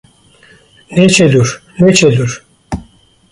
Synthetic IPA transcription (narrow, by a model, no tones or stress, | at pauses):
net͡ʃʰed̪yɾnet͡ʃʰed̪yɾ